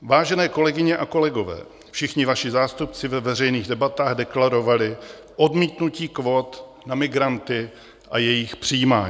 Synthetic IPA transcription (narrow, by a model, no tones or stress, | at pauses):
vaːʒɛnɛːko̞lɛɡɪɲɛʔako̞lɛɡo̞vɛ̰ː | fʃɪxɲɪvaʃɪzaːst̪upt͡sɪvɛvɛrɛjniːɣdɛbat̪aːɣdɛklaɾo̞valɪ | ʔo̞dmiːt̪nuciːkvo̞t̪ | namɪɡɾant̪ɪ | ʔajɛjɪxpr̝̥ɪjiːmaːɲː